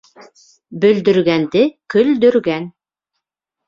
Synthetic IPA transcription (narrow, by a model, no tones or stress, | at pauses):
bɵ̆ld̪ɵ̆ɾɡænd̪ɘkɵ̆ld̪ɵ̆ɾɡæn